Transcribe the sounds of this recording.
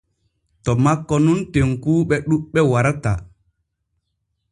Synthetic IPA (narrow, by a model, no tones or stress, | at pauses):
tɔmakːɔnunteŋkuːɓɛɗuɓɛwaɾata̰